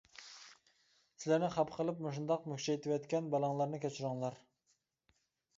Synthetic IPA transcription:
sɪlæɾnɪχɑpʰqʰəlˠɨpmoʃ̬und̪ɑqmyhʃɛet̪ʰɪwɛt̪kʲɛnbɑlˠɑŋlˠɑɾnɨkʲʰɛt͡ʃʰyɾʊŋlˠɑɾ

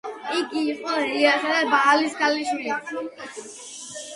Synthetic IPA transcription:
iɡiːqʼɔɾiasad̪abaːlisɡaliʃwili

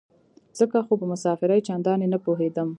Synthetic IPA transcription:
z̥əkaxopəmʊsɑfɪɾajt͡ʃand̪ɑnenapoɦed̪əm

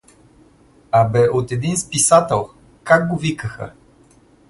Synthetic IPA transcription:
abɛʔot̪ɛd̪inspisat̪ɛlˠ | kak̚ɡovikəxə̰

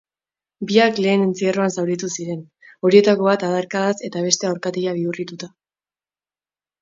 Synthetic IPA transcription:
biakle̞ːne̞nt͡siero̞ansawɾit̪usiɾe̞n | o̞ɾie̞t̪ako̞βat̪aðaɾkaðase̞t̪aβ̞e̞st̪e̞awɾkat̪eʎaβ̞iurit̪ut̪a

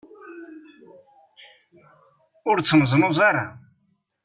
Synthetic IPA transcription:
ʊɾt͡sːəməzˤnʊzaɾa

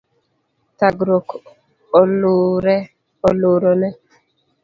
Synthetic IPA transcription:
taɡɾok | ɔluɾɛ | ɔloɾɔnɛ

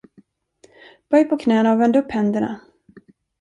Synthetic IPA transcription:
b̥œjpʰɔkʰnɛːnaɔvɛnd̪ɵpːhɛnd̪əɳa̰

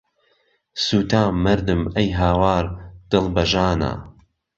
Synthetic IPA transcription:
suːt̪ʰaːmːɐɾd̪ɨmɐjɦaːwaːɾd̪̥ɨlˠbɐʒaːna̰ː

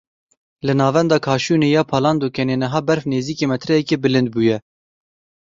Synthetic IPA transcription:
lɨnɑːvɛnd̪ɑːkʰɑːʃuːneːjɑːpʰɑːlɑːnd̪oːkʰɛneːnɨɦɑːbɛɾfneːziːkeːmɛt̪ʰɾɛjɛkeːbɨlɨnd̪̚buːjɛ

